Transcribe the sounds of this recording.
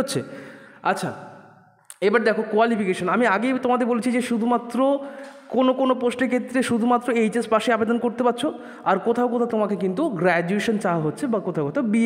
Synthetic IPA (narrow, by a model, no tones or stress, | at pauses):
otːɕʰeatːɕʰa̰ | ebaɾd̪ɛkʰokualipikeʃonamiaɡet̪omad̪eɾbolet͡ɕʰid͡ʑeʃud̪ʱumat̪ːɾokonokonoposʈeɾkʰet̪ːɾeʃud̪ʱumat̪ːɾoejd͡ʑespaʃeabed̪onkoɾt̪epatːɕʰo | aɾkot̪ʰaokot̪ʰat̪omakekint̪uɡɾɛd͡ʑueʃont͡ɕaɦaɦotːɕʰebakot̪ʰaokot̪ʰaobi